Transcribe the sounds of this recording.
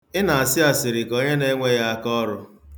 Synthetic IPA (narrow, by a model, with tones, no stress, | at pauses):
ɪ˦na˨a˨sɪ˦a˨sɪ˨ɾɪ˨ko˦ɲe˦ne˦ŋʷe˦ja˦a˦kɔ˦ɾʊ˦